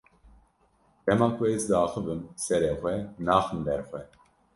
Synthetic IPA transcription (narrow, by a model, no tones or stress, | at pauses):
d̪̥ɛmɑːkʷɛzd̪ɑːxɨvɨmsɛɾeːxʷɛnaːxɨnd̪ɛɾxʷɛ